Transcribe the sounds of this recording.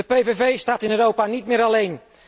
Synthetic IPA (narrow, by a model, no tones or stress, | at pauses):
əpejvevejstaːtɪnøːɾowpaːnitmɪːɾɑlejn